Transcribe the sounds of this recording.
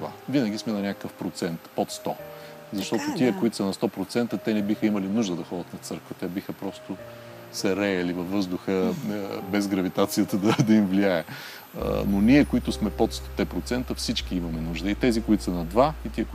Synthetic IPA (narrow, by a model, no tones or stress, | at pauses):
va̰vinəɡʲismɛnɐnʲakəkəfpɾot̪sɛnt̪pot̪st̪ɔ | zɐʃt̪ɔt̪ot̪iəkʊit̪sɐnɐst̪ɔpɾot̪sɛnt̪ət̪ɛnɛbixəimɐlinuʒd̪əd̪ɐxɔd̪ət̪nɐt̪sɤɾkvət̪ɛbixəpɾɔst̪ʊ | sɛɾɛɛlivɐfːɤzd̪ʊxə | bɛzɡɾɐvit̪at̪sijət̪əd̪ɐd̪ɐimvliaɛ̰ | nonʲiɛkoit̪ʊsmɛpot̪st̪ɔt̪ɛpɾot̪sɛnt̪əfsit͡ʃk̟iimɐmɛnuʒd̪əit̪ɛzikoit̪sɐnɐd̪vait̪iək